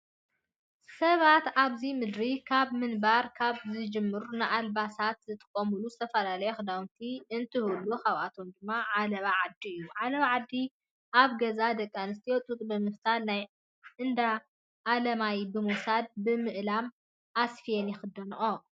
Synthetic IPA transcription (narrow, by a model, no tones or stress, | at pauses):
sɐβat̪aβzimɨd̪ɾikʰaβmɨnbaɾkʰaβzɨd͡ʒɨmːɨɾunɨʔalbasat̪zɨt̪ʰʼɨ̥kʼːɐmɨluzɨt̪ʰɐfɐlalɐjɛxɨd̪awnt̪ʰiɨnt̪ʰɨhɨlːuxaβʔat̪ʰomd̪ɨmːaʕalɐβaʕad̪ːiɨjːuʕalɐβaʕad̪ːi | ʔaβɡɐzad̪ɐkʼːanɨst̪ʰiot̪ʼut̪ʼbɨmɨft̪ʰalnaj | ʔɨnd̪a | ʔːlɐmajbɨmusad̪̚bɨmɨʔlam | ʔasfijenjɛxɨd̪ːɐnɨʔo